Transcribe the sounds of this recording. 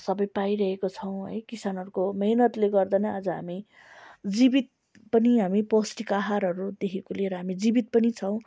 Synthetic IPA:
sʌbʌjpaiɾʌɦekot͡sʰʌw̃ɦʌ̰jkisanɦʌɾukomʌɦinʌt̪leɡʌrd̪ʌnʌad͡zʌɦami | d͡zibit̪̚ | pʌniɦamiposʈikaɦaɾɦʌɾud̪ekʰekoleɾʌɦamid͡zibit̪̚pʌnit͡sʰʌw̃

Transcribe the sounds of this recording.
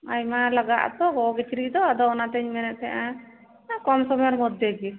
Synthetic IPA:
a̰jmalaɡa̰ʔt̪ɔɦɔɡit͡ʃiɾiʔd̪ɔad̪ɔɔnat̪ɛɲmɛnɛʔt̪ʰɛʔã | kɔmsɔbɔjɔɾmɔd̪jɔɡi

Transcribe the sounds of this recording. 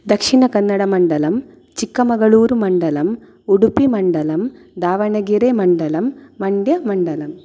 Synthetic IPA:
d̪ɐkʂiɳɐkɐnːɐɽɐmɐɳɖɐlɐm | t͡ʃikːɐmɐɡɐɭuːɾumɐɳɖɐlɐm | uɽupːimɐɳɖɐlɐm | d̪aːʋɐɳɐɡiɾemɐɳɖɐlɐmːɐɳɖjɐmɐɳɖɐlɐm

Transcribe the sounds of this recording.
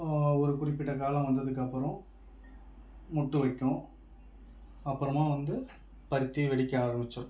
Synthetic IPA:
ɔɾɯkʊɾɪpːɪʈːɐkaːlɐ̃mʋɐnd̪ɐðɯk̬ːɐpːɯɾɔ̃ | mʊʈːɯʋɐkːʊ̃ | ɐpːɯɾɐmaːʋɐnd̪ɯ | pɐɾɯt̪ːiʋɛɽɪkʲːɐaːɾɐmbɪt͡ʃːɐɾɯ

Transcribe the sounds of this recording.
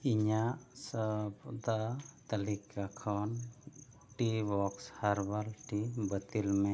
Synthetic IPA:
iɲaʔsəpɔt̪at̪alikʰakʰɔn | ʈibɔkshaɾbalʈibət̪ilmɛ

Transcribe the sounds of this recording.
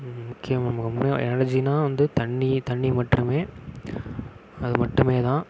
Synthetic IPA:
mʊkːɪjɐmnɐmɐkːɐmʊnɐɛ̰nːɽɐd͡ʒinaːʋɐnd̪ɯt̪ɐɳːit̪ɐɳːimɐʈrɯmeː | ɐðɯmɐʈːɯmeːt̪ãː

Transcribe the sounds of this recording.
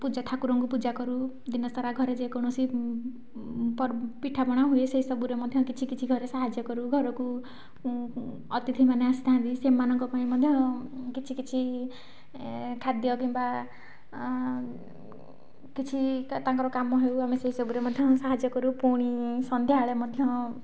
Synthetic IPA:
pud͡zat̪ʰakuɾɔŋkupud͡ʒakɔɾu | d̪inʌsɔɾaɡʱʌɾed͡zekɔɽ̃ɔsi | ppiʈʰabɔɽ̃aɦueseisʌbuɾemʌd̪ʱjʌ̃kit͡sʰikit͡ʃʰiɡʱʌɾesaɦad͡ʒjʌkɔɾuɡʱʌɾɔku | ʌt̪it̪ʰimaneasit̪ãd̪isemːanɔŋkɔpaĩmʌd̪ʱjʌ̃kit͡sʰikit͡sʰi | kʰad̪jɔk̬imba | kit͡sʰit̪ãŋkɔɾɔkamːɔɦewamiseisɔbuɾemʌd̪ʱjʌ̃saɦad͡ʒjɔkɔɾupuɽ̃isʌnd̪ʱjaɭemʌd̪ʱjʌ̃

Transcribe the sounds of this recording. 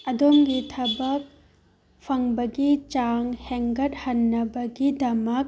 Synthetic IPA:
ɐdomɡitʰɐbɐk̚ | pʰɐŋbɐɡit͡ʃaŋheŋɡɐt̚hɐnːɐbɐɡidɐmɐk̚

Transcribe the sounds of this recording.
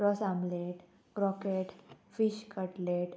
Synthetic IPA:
ɾɔsamleʈ | kɾɔkeʈ | fiɕkəʈleʈ

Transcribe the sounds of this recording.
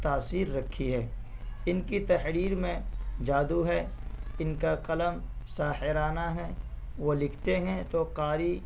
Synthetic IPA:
t̪aːsiːɾːɐkʰːiɦɛː | ɪnkit̪ɐhɾiːɾmẽd͡ʒaːd̪uɦɛɪnkaqɐləmsaːhɪɾaːnaɦɛ | ʋolɪkʰt̪eɦɛ̃t̪oqaːɾi

